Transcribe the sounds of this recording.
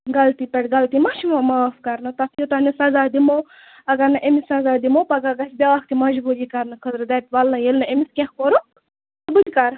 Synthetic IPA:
ɡɐlt̪ipeʈɡɐlt̪imaʃimamɐfkaɾnɐt̪ɐsjot̪anisɐzaːd̪imo | ɐɡɐɾnɐʔemisɐzaːd̪imopɐɡaɡɐsʲbʲaʋaxt̪imɐʒbuɾjikaɾnɐkʰəd̪ɾɐd̪at̪ʲʋɐlnɐjelnɐemiskʲẽxkoɾu | t̪bɨt̪ʲkaɾ

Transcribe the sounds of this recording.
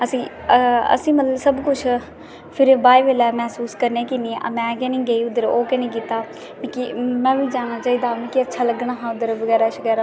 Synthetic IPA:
əsĩːə̰sĩːmət̪ləbsəbkʊt͡ʃʰ | pʰɪɾbaːiːʋeːlɛːmɛːsuːskəɾneːkinĩːa̰mɛ̃ːkɛːnĩːɡəiːʊd̪əɾoːkɛnĩːk̬iːt̪aː | mĩkimɛ̃ːʋiːd͡ʒaːɽ̃aːt͡ʃaːiːd̪aːmĩːkiətːʃʰaːləɡɳaːɦãːʊd̪əɾʋəɡɛːɾaːʃəɡɛːɾaː

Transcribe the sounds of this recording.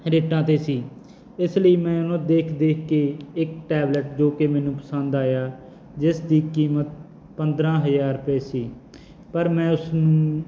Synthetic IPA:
ɾeːʈãːt̪eːsiː | ɪsləiːmɛ̃ːʊnõːd̪eːkʰd̪eːkʰkeːɪkʈɛːbləʈd͡ʒoːkeːmɛ̃ːnũːpəsənd̪aːjaː | d͡ʒɪsd̪iːkiːmət̪̚ | pənd̪ɾãːɦəzaːɾpeːsiː | pəɾmɛ̃ːʊsnũː

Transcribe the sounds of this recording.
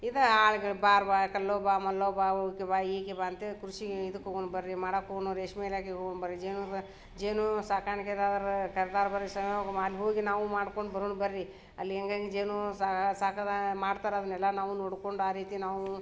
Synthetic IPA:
id̪ɐaːɭɡɐɭbaːɾbaːkɐlːoːbaːmɐlːoːbaːokebaːiːkebaːɐnt̪ekɾuʃiɡeid̪ɐkːoːɡonbɐɾɾimaːɽɐkːoːɡonuɾeːʂmeːlaːkeɦoɡoɳbɐɾid͡ʒeːnu | d͡ʒeːnusaːkaːɾɐɳiked̪aːd̪ɐɾkɐɾd̪aːɾbɐɾɾisɐmjɡɐmaɐlːiɦoːɡinaːʋumaːɽkoɳɖbɐɾoːɳbɐɾɾi | ɐ̰lːiɛŋɡaŋɡed͡ʒeːnusasaːkɐmaːɽt̪aːɾɐd̪ɐnɛlːɐnaːʋunoːɽkoɳɖaːɾiːt̪inaːʋu

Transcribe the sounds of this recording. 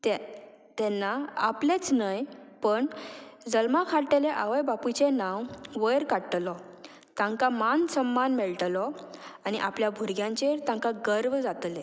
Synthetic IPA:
t̪ɛ | t̪ɛnːaaplet͡snəjpəɳd͡zəlmakʰaɽʈeleʔaʋəjbaput͡ɕenãwʋəjɾkaɽʈlɔ | t̪ãŋkamansəmːanmɛɭʈlɔaniʔapljabʱuɾɡjãɲt͡ɕeɾt̪ãŋkaɡəɾʋd͡zat̪le

